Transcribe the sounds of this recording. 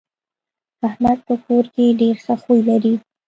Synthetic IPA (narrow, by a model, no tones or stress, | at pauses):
ahmad̪̚pəkoɾkeɖeɾxəxujlaɾi